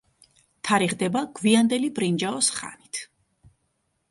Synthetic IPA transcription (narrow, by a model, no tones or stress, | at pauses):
t̪ʰaɾiʁd̪ɛbaɡ̥viand̪ɛlibɾind͡ʒaɔsχa̰nit̪ʰ